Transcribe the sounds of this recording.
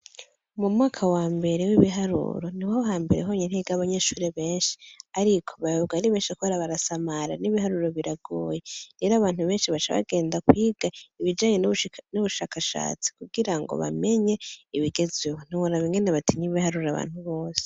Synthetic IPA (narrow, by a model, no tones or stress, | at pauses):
mumŋaːkʰawaːmbe̞ɾewiβiɦaɾṵːɾoniwaɦaːmbe̞ɾeɦoːɲeniɡaβaɲeʃuːɾeβe̞ːnʃi̥aɾikʰo̞̥βajoɡaɾiβeːnʃikuβaɾaβaɾasamaɾa̰niβiɦaɾuɾo̞βiɾaɡoːje̞ɾe̞ːɾoaβaːn̥huβe̞ːnʃiβat͡ʃa̰βa̰ɡe̞ːndakwiːɡ̥aiβid͡ʒaːɲenuβuʃaːkaʃa̰ːt͡si̥kuɡiɾaŋɡo̰βa̰me̞ɲe̞iβiɡe̞zeβon̥iwoɾaβiŋɡe̞neβatʰiɲiβihaɾuɾaβa̰ːn̥huβo̞ːse̥